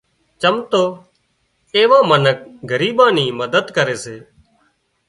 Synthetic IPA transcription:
t͡ʃəmt̪oː | eːʋãːmənək̚ɡəɾiːɓãːniːməd̪əd̪kəɾeːseː

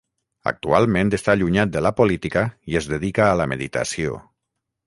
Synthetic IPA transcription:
a̰k̚t̪ualˠmẽnt̪est̪aʎuɲat̪̚d̪əlapolit̪ikaiezðeðikaːlameðit̪a̰sio̰

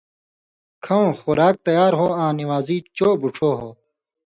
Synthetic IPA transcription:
kʰɐõxuɾaːk̚t̪ɐjaːɾɦoːãːniwaːziːt͡ɕoːbuʈ͡ʂʰoːɦoː

